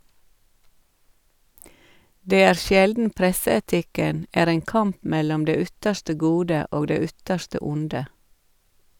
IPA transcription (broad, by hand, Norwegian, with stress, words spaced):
ˈdeː ˈæːɾ ˈʃjɛldn̩ ˈpɾɛsəɛˌtɪkən ˈæːɾ ˈeːŋ ˈkɑmp ˈmɛlɔm ˈdeː ˈʏtəʃʈə ˈɡuːdə ˈoːɡ ˈdeː ˈʏtəʃtə ˈʊndə